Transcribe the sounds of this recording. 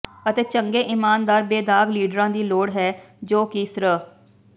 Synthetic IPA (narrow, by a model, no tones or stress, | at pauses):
ət̪eːt͡ʃəŋɡeːʔɪmaːnd̪aːɾbeːd̪aːɡliːɖɾãːd̪iːloːɽɦɛː | d͡ʒoːkiːsɾə